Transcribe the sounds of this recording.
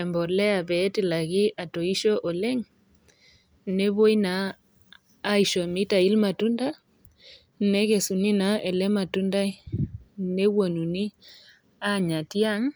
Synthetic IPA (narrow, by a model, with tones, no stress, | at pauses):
ɛ˨mbɔ˨ɾlɛ˦a˨bɛ˨˦tɪ˨la˨ɣi˦ʔa˨to˨i˦ʃɔ˦ʔɔ˨lɛ˦ŋ | ne˦βo˦jnaː˨˦ | i˨ʃo˨mi˦ta˨i˦lma˨tu˦nda˦ | nɛ˦ke˨su˨ni˦na˨˦ɛ˨lɛ˦ma˨tu˦nda˦j | ne˦wo˨nu˨ni˦ | a˦ɲa˨ti˦a˦ŋ